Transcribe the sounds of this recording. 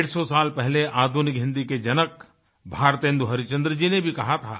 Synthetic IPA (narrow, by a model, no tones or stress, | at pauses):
ɽsɔsaːlpɛɦleʔaːd̪ʱunɪkɦɪ̃nd̪iked͡ʒɐnək | bʱaːɾt̪ẽːnd̪uɦɐɾɪt͡ʃə̃nd̪ɾəd͡ʒinebʱikɐɦat̪ʰa̰ː